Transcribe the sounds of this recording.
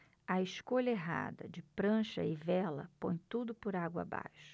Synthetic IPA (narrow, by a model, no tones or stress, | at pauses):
ɐɪʃkoʎɐeɦa̰d̪ɐ̰d͡ʒɪpɾɐ̃ʃɐɪvɛlɐ̰põj̃t̪ud̪ʊpʊɾaɡwɐa̰ba̰jʃʊ̥